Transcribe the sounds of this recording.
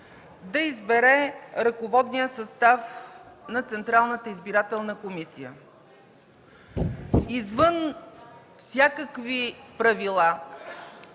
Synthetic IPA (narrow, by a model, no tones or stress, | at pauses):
d̪ɐizbɛɾɛɾɐkovɔd̪nijəsɐst̪afnɐt̪sɛnt̪ɾalˠnət̪əizbiɾat̪ɛlˠnəkomisijə̰ | izvən | fsʲjakəkvipɾɐvilˠa